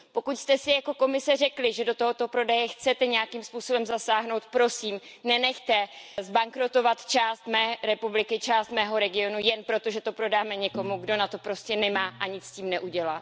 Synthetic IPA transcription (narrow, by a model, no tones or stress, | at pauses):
po̞kucst̪ɛsɪjako̞ko̞mɪsɛr̝ɛklɪʒɛdo̞t̪oɦo̞t̪o̞pɾo̞dajɛxt͡sɛt̪ɛɲɛjakimspuːso̞bɛmzasaːɦno̞wt̪pɾo̞siːm | nɛnɛxt̪ɛzbaŋkɾot̪o̞vat̪t͡ʃaːst̪mɛːɾɛpublɪkɪt͡ʃaːst̪mɛːɦo̞ɾɛɡɪo̞nujɛnpɾo̞t̪o̞ʒɛt̪o̞pɾo̞daːmɛɲɛko̞muɡdo̞nat̪o̞pɾo̞scɛnɛmaːʔaɲɪt͡sciːmnɛʔuɟɛlaː